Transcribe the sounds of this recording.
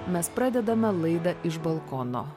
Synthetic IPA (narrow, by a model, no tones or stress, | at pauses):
mʲɛspɾɑːd̪ʲɛd̪ɐmʲɛlˠɐɪd̪ɐʔɪʒbɐlˠkɔːno̰ː